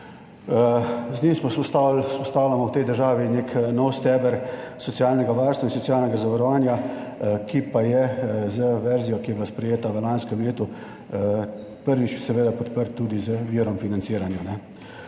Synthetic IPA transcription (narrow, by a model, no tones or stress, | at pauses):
znimsmɔsɔt̪spɔst̪aːwlʲamɔwt̪ɛjd̪əɾʒaːʋineknɔwst̪ɛːbɛɾsɔt̪sijaːlnɛɡaʋaɾst̪ʋainsɔtsijaːlnɛɡazaʋaɾɔʋaːnjakipajɛzəʋɛɾzijɔkijɛbilaspɾɛjeːt̪aʋəlanskɛmleːt̪u | pəɾʋit͡ʃjɛsɛʋeːd̪apɔt̪pəɾt̪ːud̪izəʋiːɾɔmfinant̪siːɾanjunɛ